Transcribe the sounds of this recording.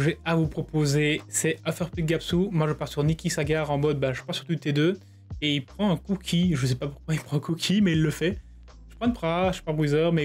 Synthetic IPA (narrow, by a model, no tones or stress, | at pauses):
ʒɛavupχɔpozesɛafœʁpliɡapsumwaʒəpaʁsyʁnikʲisaɡaʁɑ̃mɔd̪̚bãʒəpaʁsy̥ʁt̪ut̪ed̪ø | eilpχɑ̃ɛ̃kukʲʰiʒəs̬ɛpapuʁkwailpχɑ̃ɛ̃kukʲʰimɛilːəfɛ | ʒ̥ə̥pχɑ̃d̪pχaʒə̥pabʁizœʁmɛ